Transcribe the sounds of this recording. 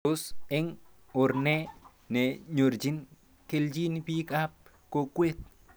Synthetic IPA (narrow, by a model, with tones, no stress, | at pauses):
lo˦se˦ŋ | o˨ɾne˦ | ne˨ɲo˨ɾd͡ʒi˦n | ke˦ld͡ʒi˦nipi˦ka˦p̚ | ko˨kwe˦t̪̚